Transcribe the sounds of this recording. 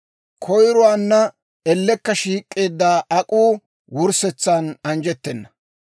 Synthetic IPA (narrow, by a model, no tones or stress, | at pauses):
kʰɔjɾɔwaːnːɐ | ɛlːɛkːɐʃiːkʼːe̞ːd̪ːaːʔɐkʼuː | wʊɾsɛt͡sːaːnɐnd͡ʒɛt̪ːɛnːɐ